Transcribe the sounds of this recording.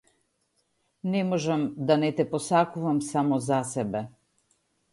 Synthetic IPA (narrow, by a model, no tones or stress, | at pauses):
nɛmɔʒamd̪anɛt̪ɛpɔsakuvamsamɔzasɛbɛ